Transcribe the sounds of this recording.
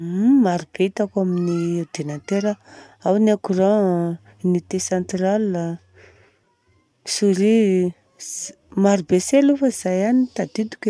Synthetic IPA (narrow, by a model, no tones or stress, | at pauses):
maɾub̥eit̪akaminied̪̥enant̪eɾa | awnakurã | nit̪esãnt̪ralːa | suɾi | maɾubeselufəiz̥ajanit̪ad̪id̪u̥kʲe